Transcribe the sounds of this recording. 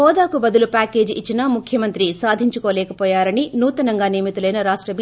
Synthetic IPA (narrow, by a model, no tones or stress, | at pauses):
ɔːd̪aːkubɐd̪ulupaːke̞ːd͡ʒit͡ʃːinaːmukʰjɐmɐnt̪ɾisaːd̪ʱiɲt͡ʃukoːlɛːkɐpɔːjaːɾɐninuːt̪ɐnɐŋɡaːneːmit̪ulɐjnɐɾaːʂʈɾɐbi